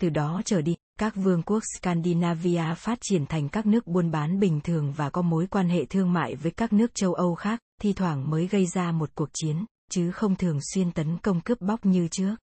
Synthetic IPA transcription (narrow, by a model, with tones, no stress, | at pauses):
t̪ɨ˨˩ɗɔ˨˦t͡ɕəː˧˩ɗi˧˩ | kaː˦˥k̚vɨ˧əŋku˦˥ək̚skaː˧nɗi˧naː˧vi˧ʔaː˧faː˦˥t̚t͡ɕi˧˩ənt̪ʰa˨˩ŋ̟kaː˦˥k̚nɨ˦˥ək̚ɓu˧ənɓaː˨˦nɓï˨˩ŋ̟t̪ʰɨ˨˩əŋvaː˨˩kɔ˨˦mo˨˦jkwaː˧nɦḛ˧˨t̪ʰɨ˧əŋma̰ː˧˨jvəː˨˦jkaː˦˥k̚nɨ˦˥ək̚t͡ɕə˧wʔə˧wxaː˦˥k̚t̪ʰi˧t̪ʰwaː˧˩ŋməː˨˦jɣə˧jzaː˧mo˨˩t̚ku˨˩ək̚t͡ɕi˨˦ən | t͡ɕɨ˨˦xə˧wŋ͡mt̪ʰɨ˨˩əŋswi˧ənt̪ə˨˦nkə˧wŋ͡mkɨ˦˥p̚ɓa˦˥wk͡p̚ɲɨ˧t͡ɕɨ˦˥ək̚